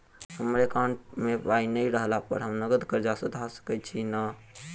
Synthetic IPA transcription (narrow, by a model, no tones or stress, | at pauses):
həmɾekaɳʈmebainəiɾəɦlapə̰ɾɦəmnəɡəd̪kəɾd͡ʒasəd̪ʱasə̥kɛt͡ʃʰina